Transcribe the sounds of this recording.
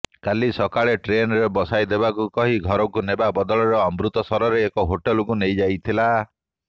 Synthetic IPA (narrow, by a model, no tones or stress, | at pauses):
kalisɔkaɭeʈɾenɾebɔsajd̪ebakukɔɦiɡʱɔɾɔkunebabɔd̪ɔɭɔɾeɔmbɾut̪ɔsɔɾɔɾeːkɔɦoʈelɔkunejd͡ʒajt̪ʰila